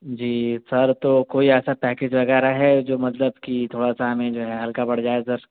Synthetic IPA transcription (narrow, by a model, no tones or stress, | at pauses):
d͡ʒiːsɐɾt̪okoːiɛːsapɛːkeːd͡ʒʋɐɣɛːɾaɦɛd͡ʒoːmɐt̪ləbkit̪ʰoːɽasaɦɐmẽd͡ʒoːɦɛɦɐlkabɐɽ̤d͡ʒaːesɐɾ